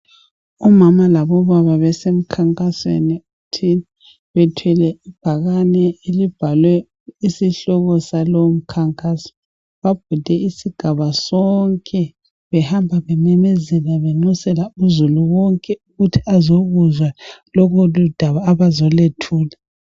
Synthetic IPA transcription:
ɔmamalaβɔβaβaβɛsem̩kʰaŋkʼaswḛniutʰi | βɛtʰwɛlɛib̥ʱaɣanɛelib̥ʱalwɛ | isiɬɔɣɔsalom̩kʰaŋkʼasɔ̥ | βab̥̚ʱud̥ʱɛisiɡ̥ʱaβasɔŋkʼɛ | βɛhambʱaβɛnɛmɛzɛlaβeŋ͡ǀusɛlauzuluwɔŋkʼɛuɣutʰiazoɣuzwalɔɣʰolud̥ʱaβaːβazɔletʰuːla

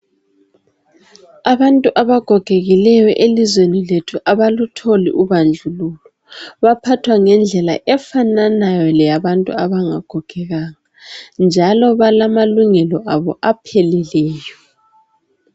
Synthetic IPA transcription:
aβantʼuʔaβaɡ̥ʱɔɡ̥ʱeɣilɛjɔʔelizweniletʰuʔaβalutʰolḭʔuβand͡ɮʱululɔ | βapʰatʰwaŋɛnd͡ɮʱɛla̰ʔɛfananajɔlɛjaβantʼṵaβaŋa̰ɡ̥ʱɔɡ̥ʰʱɛɣaŋand͡ʒʱalɔβalamaluŋɛlɔʔaβɔʔapʰelilɛːjɔ

